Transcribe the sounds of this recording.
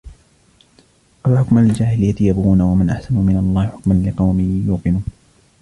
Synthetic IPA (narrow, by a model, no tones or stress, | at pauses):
alħʊkmalɪd͡ʒaːhɪlɪjːat̪ɪjabuːnawamanʔaħsanumɪnalˤːɑːhɪħʊkmanlɪqɑwmɪjuːqɨnuːn